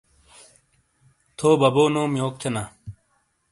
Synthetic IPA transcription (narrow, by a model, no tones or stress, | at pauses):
t̪ʰoːbɐboːnoːmjoːk̚t͡ɕʰɐna